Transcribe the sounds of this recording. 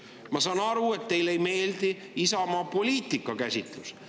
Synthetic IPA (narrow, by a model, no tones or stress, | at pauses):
mɑsɑːnɑɾue̞t̪ːe̞jlejme̞ːld̪̥i | isɑmɑːpo̞lʲiːt̪ˑikːˑɑkæsʲit̪ˑlus